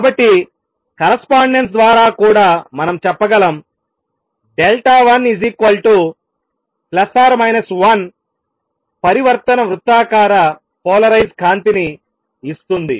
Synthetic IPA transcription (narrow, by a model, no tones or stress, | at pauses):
kaːbɐʈːi | kɐɾɐspaːɳɖens̬d̪ʋaːɾaːkuːɽaːmɐnɐmt͡ʃɛpːɐɡɐlɐm | ɖelʈaːʋɐnizikʋɐlʈu | plɐsaːɾmɐjnɐsʋɐn | pɐɾiʋɐɾt̪ɐnɐʋɾut̪ːaːkaːɾɐ | pɔːlɐɾɐjd͡ʒkʰaːnt̪iniː | st̪und̪ḭ